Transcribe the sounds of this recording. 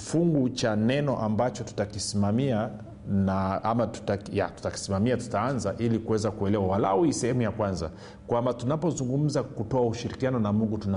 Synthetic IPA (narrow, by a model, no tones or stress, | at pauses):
fuŋɡut͡ʃanɛnɔʔambat͡ʃɔtu̥takisimamia | naʔamatu̥taja̰tu̥taki̥simamiatu̥taanzaʔilikuwɛzakuɛlɛwawala̰uisɛhɛmujakwanza̰ | kwambatunapɔzuŋɡum̩zakutɔauʃiɾikianɔnamuŋɡutuna